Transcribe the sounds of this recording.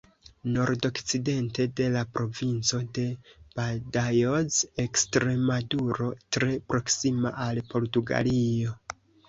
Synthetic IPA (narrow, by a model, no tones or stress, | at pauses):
no̞ɾdo̞kt͡side̞nte̞de̞lapɾo̞vint͡so̞de̞badajozekstɾe̞maduɾo̞tɾe̞pɾo̞ksima̰ʔalpo̞ɾtuɡa̰lio̞